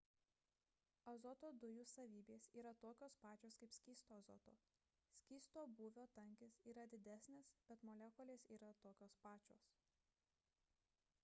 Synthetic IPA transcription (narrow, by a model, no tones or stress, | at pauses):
ɐzɔt̪oːd̪ʊjusɐʋʲiːbʲeːsiːɾɐt̪oːkʲoːspɑːt͡ʃʲoːskɐɪpsʲkʲiːst̪oːɐzɔ̰t̪o̰ː | sʲkʲiːst̪oːbuːʋʲoːt̪ɐŋʲkʲɪsiːɾɐd̪ʲɪd̪ʲæsʲnʲɪsb̥ʲɛt̪moːlʲɛkɔlʲeːsiːɾɐt̪oːkʲoːspɑːt͡ʃʲoːs